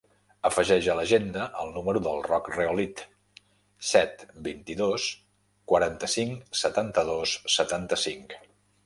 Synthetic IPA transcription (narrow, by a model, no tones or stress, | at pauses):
əfəʒɛʒələʒend̪əʔəlˠnuməɾuðəlˠrɔkreolit̪ | sɛt̪bint̪iðos | kwəɾant̪əsiŋksət̪ant̪əðosːət̪ant̪əsiŋk